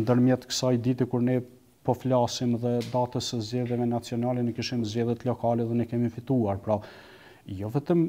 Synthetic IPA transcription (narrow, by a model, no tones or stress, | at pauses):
nd̪əɾmjɛt̪kə̥sajd̪it̪ikuɾnɛ | pɔflasimðɛd̪at̪əsəzd͡ʑɛðjɛvɛnat͡siɔnalɛnɛkiʃimizd͡ʑɛðjɛt̪lɔkalɛðɛnɛkɛmifit̪uaɾpɾa | jɔvɛt̪əm